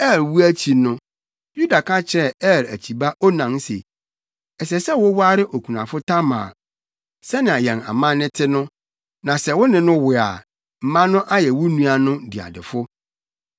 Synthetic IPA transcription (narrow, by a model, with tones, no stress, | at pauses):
ɛ˦˨ɾwu˦æ˦t͡ɕʰi˨nʊ̃˦ | ju˦da˨kʰa˦t͡ɕʰɛ˦ɛ˦˨ɾæ̰˨t͡ɕʰi˨ba˦ʔɔ˦nã˨n˦sḛ˨ | ɛ˨s̬ɛ˨sɛ˦wʊ˦wʊ˦a˦ɾɪ˦ʔo˨kʰu˨nã̰˨fʊ˦tʰa˦mã̰ː˨ | sɛ˦nɪ̃˨a˨jɛ̃˨na̰˨mã˦nɪ̃˦tʰɪ˦nʊ̃˦ | nã˨sɛ˨wʊ˦nɪ̃˨nʊ̃˦wɪ˨a̰˨ | m̩˨mã˦nʊ̃˦ʔa˦jɛ˨wʊ˦nũ˦a˨nʊ̃˦di˨a̰˨dɪ̰˨fʊ˦